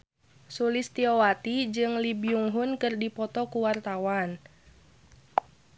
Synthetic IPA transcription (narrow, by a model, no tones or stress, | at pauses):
sulɪst̪iowat̪id͡ʒɨŋlibiuŋɦʊnkɨrdipɔt̪ɔkuwart̪awan